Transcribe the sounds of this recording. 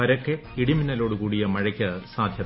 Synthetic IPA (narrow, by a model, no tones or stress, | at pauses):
pɐɾokːeiɽiminːɐlo̞ːɽukuːɽijɐmɐɻɐkʲːɐsaːd̪ʱjɐ